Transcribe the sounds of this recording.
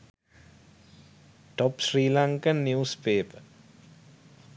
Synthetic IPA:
ʈɔpsriːlaŋkənːjuːspeːpə

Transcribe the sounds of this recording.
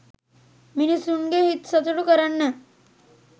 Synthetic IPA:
minisunɡeɦit̪sət̪ɽukəɾaɳːe

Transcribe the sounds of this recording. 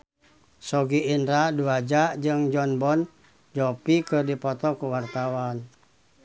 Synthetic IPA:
sɔɡiːndɾaduad͡ʒaʔd͡ʒɨŋd͡ʒɔnbɔn | d͡ʒɔpikɨrdipɔt̪ɔkuwart̪awan

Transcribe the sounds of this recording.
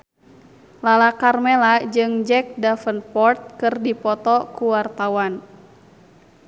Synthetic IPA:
lalakarmɛlad͡ʒɨŋd͡ʒɛk̚dafənpɔrt̪̚kɨrdipɔt̪ɔkuwart̪awan

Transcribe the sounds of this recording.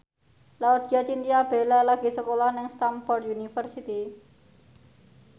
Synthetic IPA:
laud̪i̤at͡ʃint̪ijab̥e̤lalaɡ̥i̤səkolahnɪŋst̪amfɔrt̪junifərsit̪i

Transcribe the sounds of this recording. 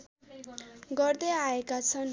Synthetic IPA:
ɡʌrd̪ʌaekat͡sʰʌn

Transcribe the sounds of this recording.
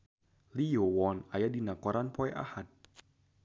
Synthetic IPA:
lijowɔːnajadinakɔɾʔanpʰɔjʔa̰hat̪̚

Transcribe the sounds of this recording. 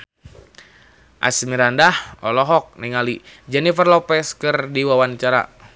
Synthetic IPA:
ʔa̰smiɾandahɔ̰lɔɦɔk̚niŋalid͡ʒɛnifərlɔpɛskɨrdiwawant͡ʃaɾa̰

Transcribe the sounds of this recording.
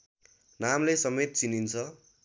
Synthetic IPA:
namlesʌmet̪̚t͡sinint͡sʰʌ

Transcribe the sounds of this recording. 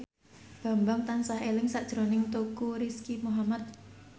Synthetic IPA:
b̥a̤mbaŋt̪ansaɦelɪŋsad̥ʒ̥ɾonɪŋt̪ukuɾiskimuɦamat̪̚

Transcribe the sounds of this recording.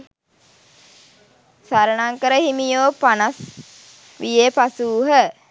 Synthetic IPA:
saɾənaŋkəɾəhimijoːpanas | ʋijepasuːɦə

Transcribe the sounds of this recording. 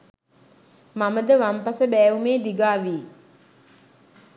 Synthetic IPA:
maməd̪əʋampasəbæːʋumeːd̪iɡaːʋiː

